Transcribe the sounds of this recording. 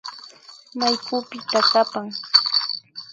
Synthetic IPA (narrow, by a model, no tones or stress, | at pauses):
majkʊpɪt̪akapaŋ